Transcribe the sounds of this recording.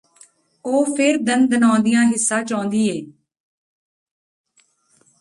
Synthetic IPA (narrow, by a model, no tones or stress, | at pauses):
oːpʰɪɾd̪ənd̪ənãːnd̪ɪjãːɦɪsːãːt͡ʃãːnd̪iːeː